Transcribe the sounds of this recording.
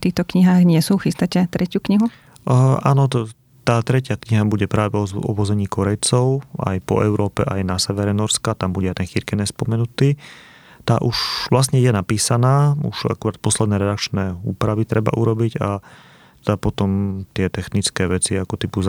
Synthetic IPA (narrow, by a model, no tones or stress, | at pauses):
t̪iːxt̪ɔkɲiɦaːɣɲɪɛsuːxist̪acɛt̪ɾɛcjuːkɲiɦu | ʔa̰ːnɔ | t̪aːt̪ɾɛcɪakɲiɦabuɟɛpɾaːʋɛɔɔ̰ʋɔzɛɲiːkɔɾɛjt͡sɔʊa̰jpɔ̰ʔɛʊɾɔːpɛʔajnasɛʋɛɾɛnɔɾskat̪ambuɟɛajt̪ɛnxiɾkɛnɛspɔmɛnut̪iː | t̪aːʔuʒʋlas̬ɲɛɛnapiːsanaːṵʃa̰kuɾaːt̪̚pɔslɛd̪nɛːɾɛd̪akt͡ʃnɛːuːpɾaʋit̪ɾɛba̰ʔuɾɔbiɟa | t̪ɛd̪apɔt̪ɔmt̪ɪɛt̪ɛxnit͡skɛːʋɛt͡siakɔt̪ipu